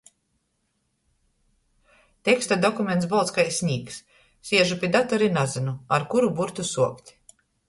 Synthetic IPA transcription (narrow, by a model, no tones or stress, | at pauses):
t̪ekst̪ad̪ɔkumʲent̪sbɔlˠt̪skajsʲɲʲiːks | sʲiɛʒupʲiɛd̪at̪ɔɾinazɨnuaɾkuɾubuɾt̪usuɔkt̪ʲ